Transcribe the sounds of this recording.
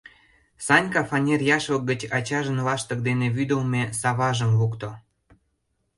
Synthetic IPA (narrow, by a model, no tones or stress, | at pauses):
sɑnʲkɑfɑnʲerjɑʃlək̚ɡət͡ɕɑt͡ɕɑʒə̆nlɑʃt̪ə̆k̚d̪eneβyd̪əlmʲesɑβɑʒə̆mβukt̪o